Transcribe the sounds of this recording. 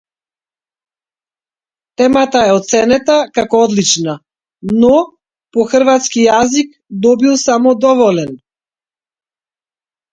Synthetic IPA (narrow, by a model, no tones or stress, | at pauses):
t̪ɛmat̪aɛɔt̪t̪sɛnɛt̪akakɔɔd̪lit͡ʃna | nɔ | pɔxr̩vat̪skijazik | d̪ɔbilˠsamɔd̪ɔvɔlɛn